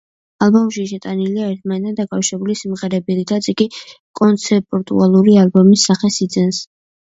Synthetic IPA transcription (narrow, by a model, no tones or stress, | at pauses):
alˠbɔmʃiʃɛt̪ʼaniliaɛɾt̪̚ʰmanɛt̪ʰand̪akʼafʃɾɛbulisimʁɛɾɛbiɾit̪ʰat̪sʰʼiɡi | kʼɔnt̪sʰɛpʼɾt̪ʼṵalˠuɾialbɔmisːaχɛsid̪zɛns